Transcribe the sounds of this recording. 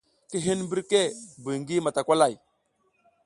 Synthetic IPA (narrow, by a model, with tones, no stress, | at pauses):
ki˦ɦi˦nmbi˦ɾke˦˨bu˨ŋɡi˦ma˨ta˨kʷa˦la˨j